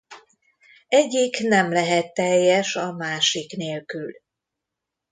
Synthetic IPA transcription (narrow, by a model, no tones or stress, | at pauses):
ɛɟːiknɛmlɛɦɛt̪ːɛjːɛʃɒmaːʃikneːlkyl